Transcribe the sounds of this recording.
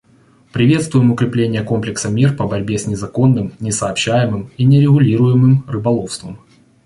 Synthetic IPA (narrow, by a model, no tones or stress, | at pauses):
pɾʲɪvʲe̞t̪st̪vʊjɪmʊkɾʲɪplʲenʲɪjəko̞mplʲɪksəmʲirpəbɐɾʲbʲesʲnʲɪzɐko̞nːɨmnʲɪsɐːpɕːæjɪmɨminʲɪɾʲɪɣʊlʲiɾʊjɪmɨmrɨbɐlˠo̞fst̪vəm